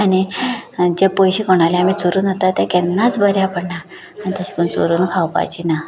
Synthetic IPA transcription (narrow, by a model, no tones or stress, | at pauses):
ani | d͡ʑepojɕikoɽ̃aleamiːt͡soɾuːnɦot̪at̪jakɛnːat͡sbʱəɾjapəɽɳa | añit̪ʰəskuːnt͡so̰ɾuːnkʰawpa̰jt͡ɕina